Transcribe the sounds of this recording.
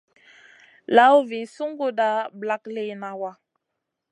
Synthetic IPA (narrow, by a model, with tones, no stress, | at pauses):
la˦wvi˨nsu˦ŋɡu˦da˦bla˦kle˦na˨wa˦